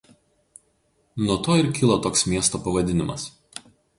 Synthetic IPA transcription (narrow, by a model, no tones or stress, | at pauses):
nuɔt̪oːɪɾkʲɪlˠot̪oːksmʲiɛst̪oːpɐʋɐd̪ʲɪnʲɪmɐ̰s